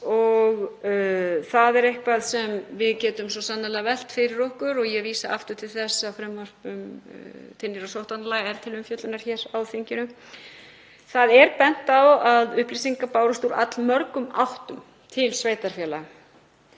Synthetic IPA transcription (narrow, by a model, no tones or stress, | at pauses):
ɔɣ | θaðɛɾehkvaðsɛmvɪðcɛːt̪ʏmsɔsanːalɛɣavɛl̥t̪fɪɾɪɾɔhkʏɾɔɣjɛviːsaʔa̰ft̪ʏ̥t̪ʰɪlθɛsːafɾɛmːœr̥pʏmt̪ʰɪnːɪɾɔsowht̪analaɣɛɾ̥t̪ʰɪlʏmfjœt̪lʏnaɾ̥çɛːɾawðfiɲcɪnʏ | θaðɛɾpɛn̥t̪awaðʏhplisiŋkapaːwɾʏst̪uːɾa̰t̪lmœɾkʏmawht̪ʏm | t̪ʰɪlsveːjt̪aɾ̥fjɛla̰